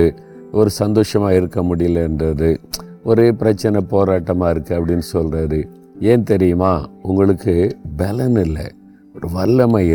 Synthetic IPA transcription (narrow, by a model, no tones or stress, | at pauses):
ɯ | ɔɾɯsɐnd̪oːʂɐmaːɪɾɯkːɐmʊɽɪjɐlːɐɛndrɐðɯɔɾɯpɪɾɐt͡ʃːɐnɐpoːɾaːʈːɐmaːɪɾɯkːɯɐpːɐɽɪnːɯsɔlrɐðɯ | eːnt̪ɛɾɪjɯmaːʊŋɡɐɭɯkːɯbɛlɐnɪlːɐ̰ | ɔɾɯʋɐlːɐmaːɪ